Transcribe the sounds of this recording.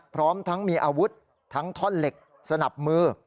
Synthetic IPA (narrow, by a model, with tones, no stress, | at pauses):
pʰɾɔː˦˥mt̪ʰa˦˥ŋmiː˧ʔaː˧wu˦˥t̪̚ʰː | a˦˥ŋt̪ʰɔ˥˩nle˨˩k̚ | sa˧na˨˩p̚mɯː˧˩